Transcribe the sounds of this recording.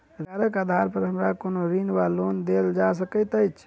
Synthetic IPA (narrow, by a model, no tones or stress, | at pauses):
ɾaɾəkad̪ʱaɾpəɾɦəmɾakonoɾinbalond̪eld͡ʒasəkəjt̪əjt͡ʃʰ